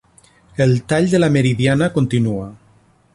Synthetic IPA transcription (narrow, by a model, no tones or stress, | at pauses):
elˠt̪aʎd̪elameɾiðianakont̪inua